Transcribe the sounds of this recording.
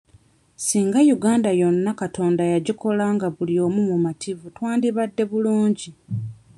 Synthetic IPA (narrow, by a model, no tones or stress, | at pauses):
siːŋɡajuɡaːndajo̞nːakato̞ːndajaɟiko̞laːŋɡaβulio̞ːmumumatʰivutwaːndiβadːe̞βuluːɲɟi